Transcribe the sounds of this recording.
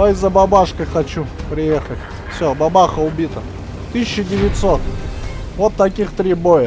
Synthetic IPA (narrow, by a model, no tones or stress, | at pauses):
aɪzːəbɐbaʂkəjxɐt͡ɕupɾʲɪjexətʲ | fsʲobɐbaxəʊbʲit̪ə | t̪ɨɕʲɕːɪdʲɪʋʲɪt̪sot̪ | vot̪ːɐkʲixt̪ɾʲibojə